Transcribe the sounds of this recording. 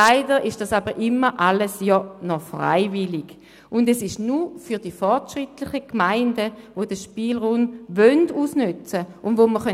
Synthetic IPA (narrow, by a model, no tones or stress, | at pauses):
aɪdəʁɪʃd̥asabəʁʔɪmːəʔaləsjɔnɔfʁa̰ɪvɪlɪɡ̥ | ʊndɛsɪʃnufyɐdifɔɐtʃʁɪtlɪχəkmaɪndəʋod̥əʃpiːlʁunvœnduːsnyt͡səʔʊndʋoməχœ